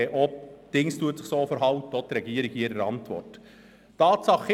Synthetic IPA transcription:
ʔɔp̚d̥ɪŋstuətt͡sɪχsoːfəɾɦɑwtəɔtɾɛɡ̥iəɾiɡiɾəɾɑ̰ntʋɔ̰rt | tɑːtsɑχ

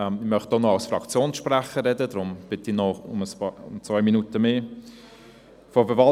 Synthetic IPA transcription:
ɛmɪmœχtdonɔɑʊsfrɑkt͡sjoːnsʃpɾæχəɾɛdədɾʊmb̥ɪtɪnɔʊməspɑːʊ̰mt͡svœɪminutəmeː | fɔfəvɑ

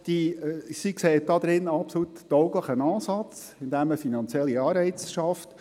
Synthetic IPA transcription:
d̪̥isikseːt̚d̥ɑd̥̪ɾɪnɑpsɔlutːɔʊɡləχənɑːsɑt͡s | ɪnd̪æməfinɑnt͡sjɛlːiɑːɾbɛɪt͡sʃɑft

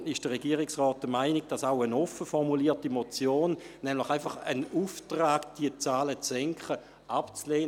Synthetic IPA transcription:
ɪʃd̥əʁeɡiəʁɪksʁɔːt̚d̥əmaɪnɪɡ̚d̥ɑsaʊənɔfəfɔʁmuliːtimot͡sjoːnːɛmlɪχaɪnfɑχə̰nuːftʁaːɡd̥iət͡saːlət͡sɛŋkχə | ʔapt͡sleːn

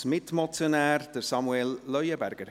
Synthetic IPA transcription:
mɪtmɔt͡sjonæːrd̥əsɑmuɛlːœʏəbæɾɡ̥əɾ

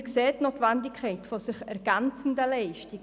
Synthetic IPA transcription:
kseːtnoːtvandɪkʰχɛɪtfosɪχɛɾɡ̥ɛnt͡sn̩dəlɛɪʃtɪɡ

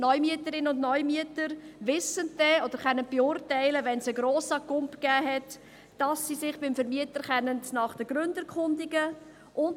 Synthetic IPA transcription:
nɔʏmiətəɾɪnəʊndnɔʏmiətəɾvɪsənd̥ɛɔd̥əɾχɛnːənb̥eʊɾtæɪləvɛnsəɡɾoːsɑkʊmpɡ̥æːɦɛt | d̥ɑsːisɪχbɪmfəɾmiətəɾχɛnəntnɑχd̥əɡ̥ɾʏndəkʰχʊndɪɡə | ʔʊn

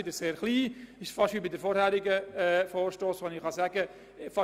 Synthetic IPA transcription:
ɪd̪əɾseːɾχliːɪʃfɑʃʋibidəɾfɔːɾhæːɾɪɡəɛfoːɾʃtoːsʋonɪχχɑsæɡ̥ə | fɑ

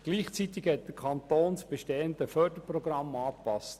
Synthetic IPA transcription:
ɡ̥liːχt͡sit̪ɪkhɛt̚d̥̪əɾkʰɑnt̪oːnsb̥eʃteːənd̪əfœːdəpɾɔɡɾɑmɑːpɑst

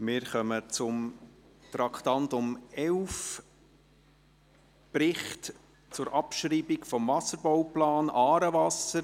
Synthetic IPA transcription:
mɪːɾχœmət͡sʊm | t̪ɾɑktɑnt̪ʊmɛlf | pɾɪχt | t͡sʊɾʔɑpʃɾiːbɪkfɔmvɑsəɾbɔwplɑːnʔɑːɾəvɑsəɾ

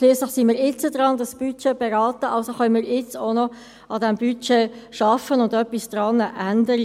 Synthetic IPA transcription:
ʃlyːəsləχsimiːɾɪt͡sədrɑndɑsb̥yt͡ʃeb̥ɛɾɑːtəɑlsoχœnmiːɪt͡sonɔ | ɑdɛmbyt͡ʃeːʃɑfənʊndœpːisd̥rɑːnəʔændəɾə

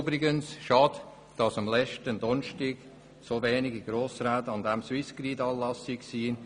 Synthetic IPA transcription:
bɾɪɡənsʃɑd | d̥ɑsɑmlɛt͡ʃtəndɔnʃtɪɡ̥ | sovɛːnɪɡiɡ̥ɾoːsɾaːtəɑnd̪ɛmswɪskɾiːdɑːlɑsiksiːn

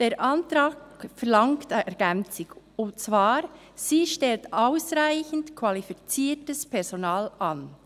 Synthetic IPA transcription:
d̥eːɾʔantɾaːkfɛɾlɑŋktɛɾɡɛnt͡sɪk | ʊmt͡svaːɾ | siːʃtɛltʔaʊsʁaɪçn̩tkʰvalifit͡siːtəspʰɛɾzonaːlʔan

